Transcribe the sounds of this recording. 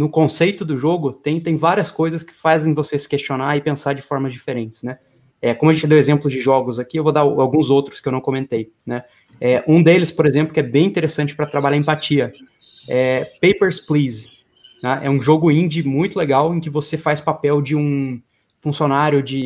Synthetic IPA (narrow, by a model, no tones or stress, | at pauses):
nʊkõsejt̪ʊd̪ʊʒoɡʊt̪ẽj̃t̪ẽj̃vaɾiɐskojzɐskɪ̥fazẽj̃vosesɪ̥kest͡ʃionaɪpẽsaɾd͡ʒɪfɔɾmɐzd͡ʒifeɾẽnt͡ʃɪ̥znɛ | ɛkõmʊɐʒẽt͡ʃɪd̪ewezẽmplʊzd͡ʒɪʒɔɡʊzakiewvod̪aawɡũzowt̪ɾʊskɪewnɐ̃w̃komẽnt̪ej | nɛ | ɛʔũd̪elɪspoɾezẽmplʊkʲɛbẽj̃ĩnt̪eɾesɐ̃nt͡ʃɪ̥pɾɐt̪ɾabaʎaɐ̃ẽpat͡ʃiɐ | ɛpejpeɾspliz | naʔɛ̰ũʒoɡʊĩnd͡ʒɪmũj̃t̪ʊleɡawẽkɪvosefajspapɛwd͡ʒɪũ | fũsionaɾjʊd͡ʒɪ